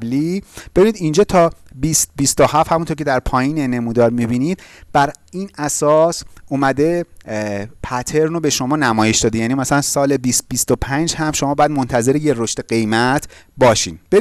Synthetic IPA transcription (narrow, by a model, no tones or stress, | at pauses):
blibebinid̪ind͡ʒɒːt̪ʰɒːbist̪̚bist̪ohæfhæmunt̪ʰoɾcʰʲeæɾpʰɒːjiːnene̞muːd̪ɒɾmibiniːd̪̥̚b̥æɾiːnæsɒːsumæd̪e̞ | pʰæt̪ʰe̞ɾnobe̞ʃo̞mɒːnæmɒːje̞ʃd̪ɒːd̪ejæːnimæsælænsɒːle̞bis̚bist̪opʰænd͡ʒhæmʃomɒːbɒːjæd̪mont̪ʰæze̞ɾijeɾoʃt̪eɢe̞jmæt̪ʰ | bɒːʃḭːnb̥e